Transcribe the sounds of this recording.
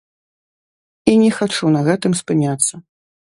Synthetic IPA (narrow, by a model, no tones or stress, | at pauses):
inʲɛxat͡ʂunɐɣɛt̪ɨmspɨnʲat̪sːɐ